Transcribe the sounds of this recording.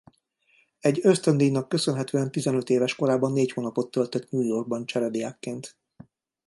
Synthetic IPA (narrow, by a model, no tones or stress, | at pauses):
ɛɟːøst̪ønd̪iːjnɒkːø̞sønɦɛt̪øːɛnt̪izɛnø̞t̪eːvɛʃko̞ɾaːbɒnːeːchoːnɒpo̞t̪ːølt̪øt̪ɲuːjo̞rɡ̚bɒnt͡ʃɛɾɛb̪ijaːkːeːnt̪